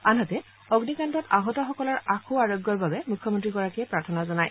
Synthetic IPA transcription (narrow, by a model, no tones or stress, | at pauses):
anɦatɛ | ɔɡnikantɔtaɦɔtɔxɔkɔlɔɹaxʰoaɹɔɡːjɔɹbabɛmukʰːjɔmɔntɹiɡɔɹakiɛpɹaɹtʰɔnazɔnaj